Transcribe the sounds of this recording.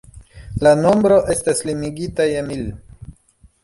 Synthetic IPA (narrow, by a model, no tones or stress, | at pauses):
lano̞mbɾo̞ʔe̞staslimiɡitajemil